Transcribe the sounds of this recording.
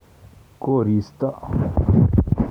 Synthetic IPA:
koːɾiːst̪aʔ

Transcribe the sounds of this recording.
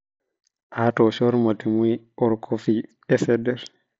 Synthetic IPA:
ʔatɔʃɔɾmatimujʔɔɾkʰɔfi | ɛsɛdɛɾ

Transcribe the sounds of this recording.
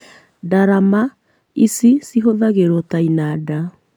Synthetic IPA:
daɾama | isisiɦoðaɣeɾɔtainada

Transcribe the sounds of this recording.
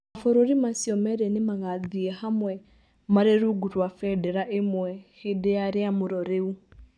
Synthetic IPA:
afoɾoɾimasiɔmɛɾɛnemaɣaðiɛhamwɛ | maɾeɾuɡuɾwafɛdɛɾaʔemwɛhedeaɾeamuɾɔɾeu

